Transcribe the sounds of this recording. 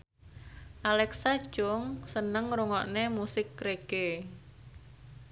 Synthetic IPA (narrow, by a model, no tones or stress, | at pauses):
ʔalɛksḁt͡ʃʊŋsənəŋɾuŋɔʔnemusɪkːɾeɡ̥e